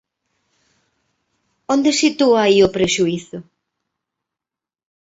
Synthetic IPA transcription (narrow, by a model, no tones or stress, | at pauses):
ond̪esit̪uaiʊpɾeʃuiθʊ